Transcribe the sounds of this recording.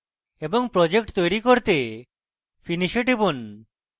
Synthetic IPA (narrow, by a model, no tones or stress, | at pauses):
ebɔŋpɾod͡ʒek̚ʈt̪ojɾikoɾt̪e | pʰiniʃeʈibun